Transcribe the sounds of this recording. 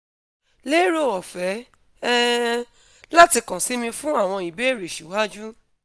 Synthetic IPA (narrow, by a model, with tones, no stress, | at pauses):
le˦ɾo˦˨ɔ˨fɛ˨˦ | ɛ˦ | la˦ti˧kã˨si˨˦mĩ˧fũ˦a˦˨w̃ɔ̃˧i˨be˨˦˨ɾe˨ʃu˨˦wa˦d͡ʒu˦